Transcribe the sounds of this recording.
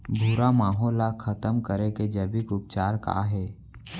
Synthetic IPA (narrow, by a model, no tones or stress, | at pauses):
bʱuɾamaːɦɔːlakʰət̪əmkəɾeked͡ʒəbikʊp̚t͡ʃaːɾka̰ɦɛː